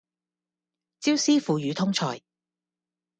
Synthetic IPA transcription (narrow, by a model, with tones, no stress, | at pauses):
t͡siː˥wsiː˥fuː˨jyː˨˧t̪ʰʊ˥ŋt͡ʃʰɔ̰ː˨˩j